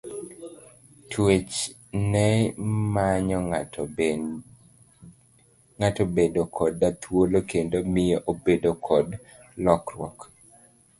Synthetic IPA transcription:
tʰwet͡ʃ | nɛmaɲɔ | ŋatobedokʰɔdat̪ʰwolokendomɪjoʔobedokʰɔd | lɔkrwɔk

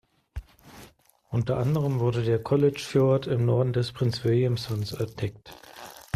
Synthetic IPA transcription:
ʔʊntɐʔandəʁ̞əmvʊɐdədeːɐkʰɔlɪt͡ʃfɔɐtʰɪmnɔɐdn̩dɛspʁ̥ɪnt͡sv̥ɪljʊmsɔnsɛɐd̥ɛk̚t

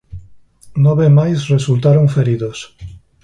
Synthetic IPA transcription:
nɔβemajsresult̪aɾoŋfeɾiðos

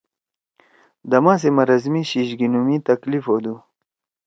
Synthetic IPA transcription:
d̪ɐmãːs̬emɐɾɐzmiɕiɕɡinumit̪ɐklifod̪u

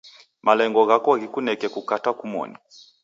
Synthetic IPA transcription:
malɛŋɡɔɣakɔɣikunɛkɛkukatakumɔ̰ni

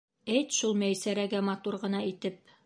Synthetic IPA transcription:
æjt̪ʃulˠmæjsæɾæɡæmɑt̪uɾʁɤ̆nɑit̪ɘp̚

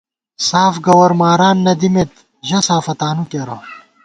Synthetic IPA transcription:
saːfɡɐwɐɾmaːɾaːnːɐd̪imet̪ | ʑɐsaːfɐt̪aːnukɐɾɐ

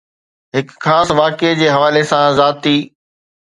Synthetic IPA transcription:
ɦɪkxaːsʋaːked͡ʑeːɦɐʋaːlesãzaːt̪iː

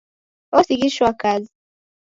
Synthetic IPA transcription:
ɔsikiʃɔwakazi

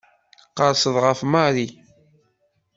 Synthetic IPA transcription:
qːəɾsəðˤʁəfmɑɾi

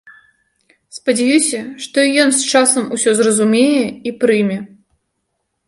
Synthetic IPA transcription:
spɐd͡zʲajusʲɐʂt̪ɔijɔnst͡ʂasɐmusʲɔzrɐzumʲejɛipɾɨmʲɛ

